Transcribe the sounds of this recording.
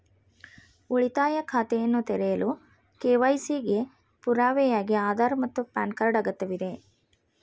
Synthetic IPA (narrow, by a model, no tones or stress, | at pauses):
uɭit̪aːjɐkʰaːt̪ɛjɐnːut̪ɛɾɛjɐlu | keːʋɐjsiɡe̞ | puɾaːʋɛjaːɡiaːd̪aːɾmɐt̪ːupa̰ːnkɐɾɖaːɡɐt̪ːɐʋid̪e̞